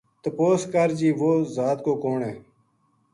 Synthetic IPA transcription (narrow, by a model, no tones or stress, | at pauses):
t̪əpoːskəɾd͡ʒiːʋoːzaːt̪koːkoːɳeː